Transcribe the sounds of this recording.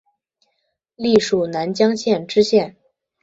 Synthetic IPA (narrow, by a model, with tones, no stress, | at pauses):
li˥˩ʂu˨˩na˧˥nt͡ɕjɑ˥ŋɕjɛ˥˧nʈ͡ʂɻ̩˥ɕjɛ˥˩n